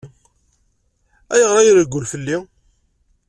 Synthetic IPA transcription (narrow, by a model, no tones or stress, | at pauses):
æjəʁɾˤɑjəɾəɡʷʊlfəlːi